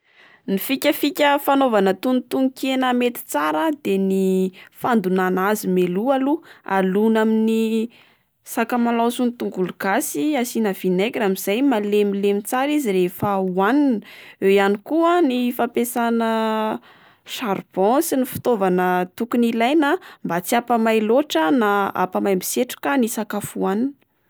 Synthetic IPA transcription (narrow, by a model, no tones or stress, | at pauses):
nifikʲəfikʲəfanovanət̪unt̪uŋkʲenəmet̪i̥t͡saɾəd̪enifand̪unanazimelualua̰lunamini | sakəmalawsunit̪uŋɡuluɡ̥asiasinəv̥inajkʲiramiz̥ajmalemilemit͡saɾizirefəuaninəejanikuanifapesanə | ʃarb̥ɔ̃sinifi̥t̪ovanət̪ukunilajnambat͡siapamajloʈ͡ʂənaa̰pamajmi̥seʈ͡ʂu̥kanisakafuaninə